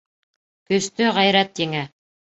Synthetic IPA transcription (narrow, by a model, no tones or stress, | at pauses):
kɵ̆st̪ɵʁæjɾæt̪jɘ̆ŋæ